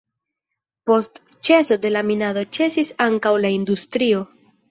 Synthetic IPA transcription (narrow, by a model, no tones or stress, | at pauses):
po̞st | t͡ʃe̞so̞de̞laminadot͡ʃe̞sisaŋkawlaindustɾio̞